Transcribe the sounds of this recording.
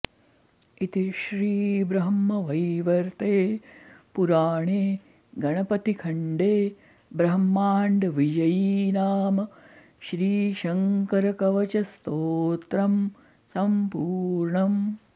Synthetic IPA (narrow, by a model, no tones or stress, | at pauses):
it̪iʃɾiːbɾɐɦmːɐʋɐjʋɐɾt̪eːpuɾaːɳeː | ɡɐɳɐpɐt̪ikʰɐɳɖeː | bɾɐɦmːaːɳɖʋid͡ʒɐjinaːmɐ | ʃɾiːʃɐŋkɐɾɐkɐʋɐt͡ʃɐst̪oːt̪ɾɐm | sɐmpuːɾɳɐm